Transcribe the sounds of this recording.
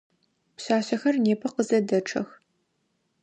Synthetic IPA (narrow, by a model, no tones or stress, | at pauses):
pɕaːɕɐxɐrneːpʰɐqəzɐdɐʈ͡ʂʰɐ̰x